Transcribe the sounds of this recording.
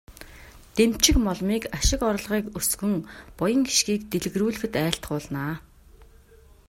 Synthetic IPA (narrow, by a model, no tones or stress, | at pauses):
t̪em̥t͡ɕɪ̆kmɔɮmiːkaʃɪ̆kɔɾ̆ɮʁiːkɵsɡɵ̆ŋpɔjə̆ŋɡi̥ʃɡiːkt̪eɮɘ̆ɣruːɮɘ̆xɘ̆t̪æːɬt̪ɢʊːɮnaː